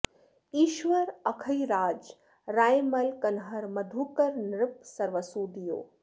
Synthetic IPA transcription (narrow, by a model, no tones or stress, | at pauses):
iːʃʋəɾɐkʰɐiɾaːd͡ʒ | ɾaːjmɐlkɐnɦɐɾmɐd̪ʱuːkɐɾnɾɪp̚sɐɾʋəsuːd̪ijo̰ː